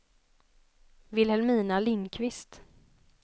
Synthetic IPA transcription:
vɪlhɛlmiːnalɪnkʰvɪst̪

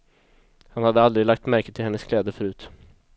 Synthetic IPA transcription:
hanhad̪ːəald̪ɾɪlak̚t̪mæɾkət̪ʰɪlhɛnːəskʰlɛːd̪əfœɾʉ̟ːt̪

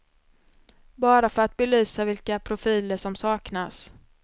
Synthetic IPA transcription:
bɑːɾafœɾat̪̚bɛlyːsavɪlkapʰɾʊfiːləʂɔmsɑːknas

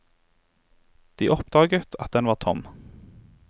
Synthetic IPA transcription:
d̪̥iːʔɔpd̪̥ɑːɡət̪ʰɑt̪̚d̪ɛnʋɑːt̪ʰɔm

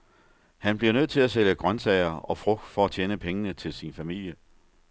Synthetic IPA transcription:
hænb̥liɐnøð̰ˠt͡sʰe̝læseləɡ̥ʁɶnsɛɪɐɒ̽fʁɔɡ̥̚d̥fɒ̽æt͡ɕʰeːnəpʰeŋənət͡sʰe̝lsinfæmil̰jə

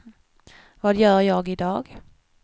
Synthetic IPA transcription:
vɑːd̪jœːɾjɑːɡɪd̪ɑːɡ

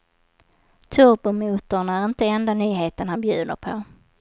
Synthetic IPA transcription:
t̪ʰɵɾbʊmuːt̪ʊɳæɾɪnt̪əɛnd̪anyːɦeːt̪ənhanbjʉ̟ːnə̰ɾpʰɔ

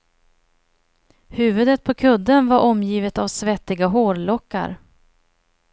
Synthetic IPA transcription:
hʉ̟ːvɵd̪ət̪̚pʰɔkʰɵd̪ːənvaɾʔɔmjiːvət̪avsvɛt̪ːɪɡaɦoːɾlɔkːa̰ɾ

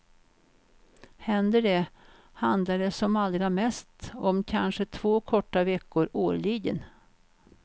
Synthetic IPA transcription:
hɛnd̪əɖɛ | hand̪laɖɛsɔmald̪ɾamɛst̪ɔmkʰanʂət̪ʰv̥oːkʰɔʈːavɛkːʊɾoːɾɭiɡə̰n

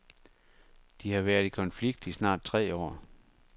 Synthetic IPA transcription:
d̥ihɑ̈ʋæɐðˠikʰɒ̽nfliɡ̥̚d̥isnɑ̰̈ːd̥̚t͡sʰʁɛ̰ːɒ̰ː

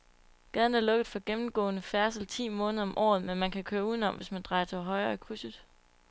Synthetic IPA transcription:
ɡ̥ɛð̞ˠn̩æɐlɔ̽ɡ̥əð̩ˠfɒ̽ɡ̥emm̩ɡ̥ɔ̰̽ːnəfæɐsl̩t͡sʰḭːmɔ̽ːnð̞ˠɒ̽mʔɒ̰ːð̞̩ˠmenmænkʰækʰøːɐuðˠn̩ɒ̽mʋe̝smænd̥ʁɑ̈ɪɐt͡sʰe̝lɦɒ̽ɪɐːikʰʁusəðˠ

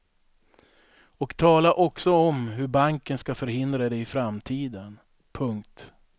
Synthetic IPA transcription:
ɔkt̪ʰɑːlaʔɔksɔɔmɦɵɾbaŋkənskafœɾhɪnd̪ɾad̪ɛɪfɾamt̪ʰiːd̪ən | pʰɵŋkt̪

